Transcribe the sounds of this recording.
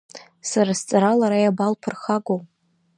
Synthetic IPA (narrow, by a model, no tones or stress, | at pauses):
saɾast͡sʼaɾalaɾajabalpʰɨrχaɡow